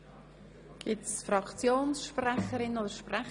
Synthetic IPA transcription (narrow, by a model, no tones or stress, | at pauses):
ɡ̥ɪtsfɾɑkt͡sjoːnsʃprɛχəɾɪnoːdəɾʃprɛ